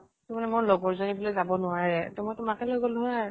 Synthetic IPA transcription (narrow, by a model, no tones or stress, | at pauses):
tʊmanɛmʊɹlɔɡɔɹzonibɔlojzabɔnʊaɹɛtɔmɔjtʊmakɛlojɡɔlʊa